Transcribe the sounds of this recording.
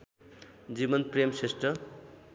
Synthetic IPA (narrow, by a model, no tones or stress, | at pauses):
d͡zibʌnpremsesʈrʌ